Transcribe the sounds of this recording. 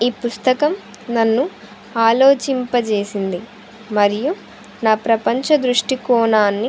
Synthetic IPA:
iːpust̪ɐkɐm | nɐnːu | aːlo̞ːt͡ʃimpɐt͡ʃe̞ːsind̪i | mɐɾiju | naːpɾɐpɐɲt͡ʃɐd̪ɾuʂʈikɔːnaːnːi

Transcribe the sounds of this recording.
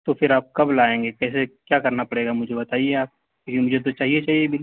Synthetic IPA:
t̪opʰɪɾaːp̚kɐblaːẽːŋɡekɛːsekjaːkɐɾnapɐɽeːɡamʊd͡ʒʱebɐt̪aːieaːp̚ | kɪkimʊd͡ʒʱet̪̬ot͡ʃaːɦiet͡ʃaːɦiebʱɪ

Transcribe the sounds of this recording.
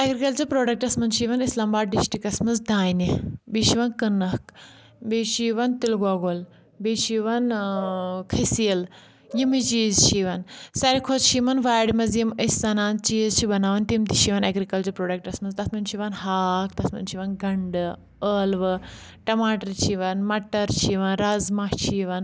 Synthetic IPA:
ɐɡɾikɐlt͡ʃɐpɾoːɖɐk̚ʈɐsmɐnt͡ʃʰiʋɐnislaːmbaːɖ̚ɖisʈɾikɐsmɐzd̪aːjnibiʃiʋɐnkɐnɐk | biːʃiːʋɐnt̪ilɡaɡol | biʃiʋɐn | kʰɐsiɐl | jimit͡ʃiːzt͡ʃʰiʋɐnsɐɾikʰost͡ʃʰimɐnʋaːjɽmɐzjiməsʲsɐnãːnt͡ʃiːzt͡ʃʰibɐnaːʋɐnt̪imt̪iʃiʋɐnɐɡɾikɐlt͡ʃɐɾpɾoːɖɐk̚ʈɐsmɐzt̪ɐsmɐnʲt͡ʃʰiʋɐnɦaːk̚t̪ɐsmɐ̰nt͡ʃʰiʋɐnɡɐɳɖɨ | əːlʋɨ | ʈɐmaːʈɐɾt͡ʃʰiʋɐnmɐʈːɐɾt͡ʃʰiʋɐnɾazmaht͡ʃʰiːʋɐn

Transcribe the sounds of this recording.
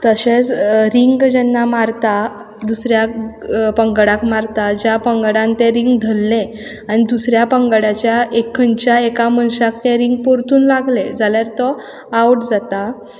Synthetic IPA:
t̪əɕet͡sɾiŋɡd͡ʑɛnːamaɾt̪a | d̪usɾjapəŋɡɽãkmaɾt̪ad͡ʑjapəŋɡɽãnt̪eɾiŋɡd̪ʱəlːẽ | aɽid̪usɾjapəŋɡɽat͡ɕjaʔekʰːənt͡ɕjaekamənɕak̚t̪ɛ̃ɾiŋɡ̚poɾt̪ʰuːnlaɡled͡zaljaɾt̪ɔ | auʈd͡zat̪a

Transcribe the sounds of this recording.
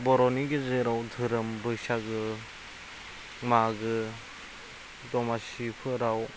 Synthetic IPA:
bɔɾɔniɡezeɾawtʰɯɾɯmbɯsaɡɯ | maɡɯ | dɔmasipʰɯɾaw

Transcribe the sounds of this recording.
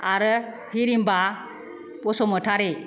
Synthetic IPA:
aɾɯhʰiɾimba | bɔsɔmɯtʰaɾe

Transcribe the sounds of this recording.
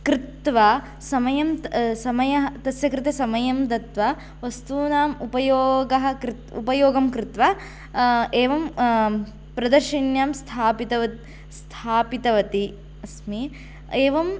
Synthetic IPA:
kɾɪt̪ʋɐ | sɐmɐjɐmt̪sɐmɐjɐɦɐt̪ɐsjɐkɾɪt̪esɐmɐjɐmd̪ɐt̪ʋɐ | ʋɐst̪uːnaːmupɐjoːɡɐɦɐ̆kɾɪt̪ṵpɐjoːɡɐmkɾɪt̪ʋɐ | eːʋɐm | pɾɐd̪ɐɾʃinjaːmst̪ʰaːpit̪ɐʋɐ | st̪ʰaːpit̪ɐʋɐt̪i | ɐsmi | eːʋɐm

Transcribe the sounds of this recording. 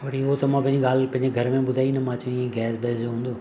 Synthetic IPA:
ʋɐɽiot̪ɐmãːpɐ̃ɦɪ̃ɲd͡ʑiɡaːlpɐ̃ɦɪɲd͡ʑeɡʱɐɾmẽɓʊd̪ʱaːinɐmãːt͡ɕĩiẽɡɛːsbeːsd͡ʑoɦũːnd̪oː

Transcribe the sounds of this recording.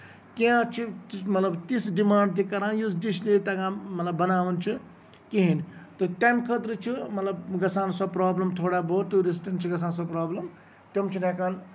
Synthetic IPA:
keãt͡ʃʰimɐt̪lɐbt̪isɖimaːɳɖ̚t̪̬ikɐɾãjusdislit̪ɐkãmɐt̪lɐbːɐnaːʋunt͡ʃʰi | kiɦint̪oʈajmkʰət̪ɾət͡ʃʰimɐt̪lɐbɡɐsaːnsapɾaːblɐmt̪ʰoːɽaboʈ̪uɾis̬ʈɐnt͡ʃʰiɡɐsaːnsapɾaːblɐm | ʈemt͡ʃʰunẽkaːn

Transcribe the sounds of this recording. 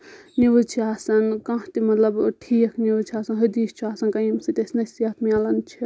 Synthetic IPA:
niʋət͡ʃʰiaːsɐnkãt̪imɐt̪lɐbʈʰiːɐkʰniʋt͡ʃʰiaːsɐnɦɨd̪iːst͡ʃʰiaːsɐnkɐjimsit̪esʲnɐsijɐt̪ʰmialɐnt͡ʃʰi

